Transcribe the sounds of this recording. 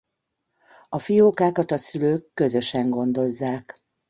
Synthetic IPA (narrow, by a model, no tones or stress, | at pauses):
ɒfijoːkaːkɒt̪ɒsyløːkːø̞zø̞ʃɛŋɡo̞nd̪o̞zːaːk